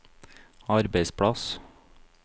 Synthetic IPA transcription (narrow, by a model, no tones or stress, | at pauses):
ɑɾbeɪspʰɽɑs